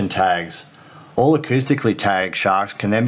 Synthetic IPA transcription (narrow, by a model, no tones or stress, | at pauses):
ɨ̃ntʰæɡz̥ | ɔlˠəkʰʉstɨkʰlitʰæɡʃɑɹkskʰɨ̃nðɨ̃nb